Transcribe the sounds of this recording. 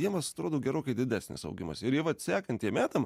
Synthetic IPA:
jiɛmɐsɐt̪ɾoːd̪oːɡʲɛɾoːkɐɪd̪ʲɪd̪ʲæːsʲnʲɪ̰sɐ̰ʊɡʲɪmɐ̰sɪɾjiɛʋɐtt̪sʲæːkɐnt̪jiɛmʲæːt̪ɐm

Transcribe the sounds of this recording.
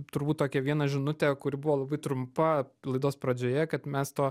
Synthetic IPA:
t̪ʊɾbuːt̚t̪oːkʲɛʋʲiɛnɐʒʲɪnʊt̪ʲɛːkʊɾʲɪbʊʋoːlˠɐbɐɪt̪ɾʊmpɐlˠɐɪd̪oːspɾɐd͡ʒʲoːjɛkɐt̪mʲɛst̪oː

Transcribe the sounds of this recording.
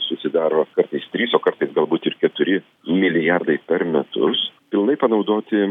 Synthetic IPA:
sʊsʲɪd̪ɑːɾoːkɐɾt̪ɐɪst̪ʲɾʲiːsoːkɐɾt̪ɐɪsɡɐlˠbuːt̪ɪɾkʲɛt̪ʊɾʲɪ | mʲɪlʲɪjɑrd̪ɐɪpʲɛɾmʲɛt̪ʊ̰spʲɪlˠnɐɪpɐnɒʊd̪oːt̪ʲɪ

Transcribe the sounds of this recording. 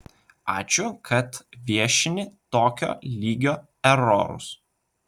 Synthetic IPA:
ɑːt͡ʃʲʊkʰɐt̪ʋʲiɛʃʲɪnʲɪt̪oːkʲo̰ːlʲiːɡʲoː | ɛɾɔ̰ɾʊ̰s

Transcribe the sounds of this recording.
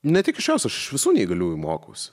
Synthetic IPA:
nʲɛt̪ʲɪkɪʃt͡ʃʲɛʊsʲɐʃɪʃʋʲɪsuːnʲiːɡɐlʲuɪmoːko̰ʊsʲ

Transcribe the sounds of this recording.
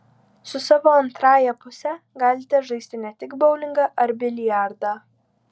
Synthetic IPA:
sʊsɑːʋoːɐnt̪ɾɑːjɛpʊsʲɛ | ɡɑːlʲɪt̪ʲɛʒɐɪsʲt̪ʲɪnʲɛt̪ʲɪɡbɒʊlʲɪŋɡɑʔɐɾbʲɪlʲɪjæˑɾd̪ɑː

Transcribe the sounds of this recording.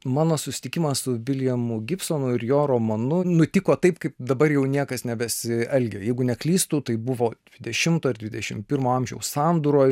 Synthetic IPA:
mɑːnoːsʊsʲɪ̥t̪ʲɪkʲɪmɐssʊʋʲɪlʲjɛmʊɡʲɪpsoːnʊɪɾjoːɾoːmɐnʊnʊt̪ʲɪkoːt̪ɐɪpkɐɪpd̪ɐbɐrjɛʊnʲiɛkɐsnʲɛbʲɛsʲɪɛlʲɡʲɛjɛɪɡʊnʲɛklʲiːst̪uːt̪ɐɪbʊʋoːd̪ʲʋʲɪd̪ʲɛʃʲɪmt̪oːɐɾd̪ʲʋʲɪd̪ʲɛʃʲɪmpʲɪɾmoːɐmʲʒʲɛ̰ʊssɑːnd̪uɾoːj

